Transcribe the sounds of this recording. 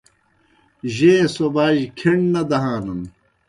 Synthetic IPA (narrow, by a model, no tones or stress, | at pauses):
ʑẽːsobaːʑkʰeɳnɐd̪ɐɦaːnɐn